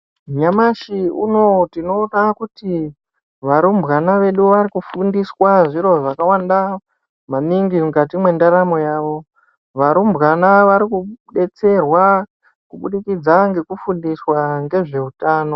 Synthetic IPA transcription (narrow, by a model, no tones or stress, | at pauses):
ɲamaʃiṵno̞tino̞ːnakuti | ʋaɾumbɣanaʋe̞ɗuʋaɾikufundiswaʐiɾo̞ʐakawanda | maniŋɡimukatimwe̞ndaɾamo̞jaːʋo̞ | ʋaɾumbɣanaʋaɾikuɗe̞t͡se̞rwa | kuɓuɗikid͡zaŋɡe̞kufundiswaŋɡe̞ʐe̞utaːno̞